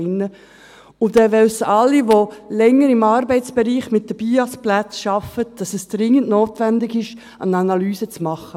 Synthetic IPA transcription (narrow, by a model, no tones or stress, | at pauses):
ɪnːə | ʊd̥ɛʋɛlsɑlːiʋolɛŋːəɾɪmɑɾbɛɪt͡sb̥ɛɾiːχmɪt̚d̥əb̥iːɑsplæt͡sʃɑfət̚d̥ɑsɛsd̥ɾɪŋːəntnoːtʋɛndɪɡɪʃ | ɑ̰nɑnɑlyːzət͡smɑχə